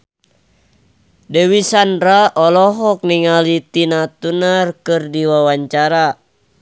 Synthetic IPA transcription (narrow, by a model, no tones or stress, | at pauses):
dɛwisanraɔlɔɦɔk̚niŋalit̪inat̪unarkɨrdiwawaɲt͡ʃaɾa